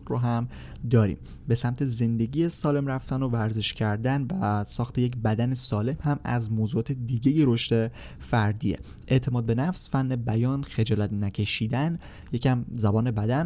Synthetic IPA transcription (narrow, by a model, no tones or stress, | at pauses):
ɾoɦæm | d̪ɒːɾḭːm | be̞sæmt̪ʰe̞ze̞nd̪e̞ɟijesɒːle̞mɾæft̪ænovæɾze̞ʃcʰæɾd̪ænvæsɒːxt̪ʰe̞jec̬bæd̪ænesɒːle̞mhæmæ̰zmoːzuːɒːt̪ed̪iɟejeɾoʃt̪e̞ | fæɾd̪iːḛ | ʔe̞ʔt̪ʰe̞mɒːd̪̚be̞næfsfænːebæjɒːnxe̞d͡ʒɒːlæt̪næcʰe̞ʃiːd̪æn | jecæmzæbɒːne̞bæd̪æn